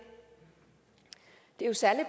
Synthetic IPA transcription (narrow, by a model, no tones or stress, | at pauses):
d̥e̝osæləb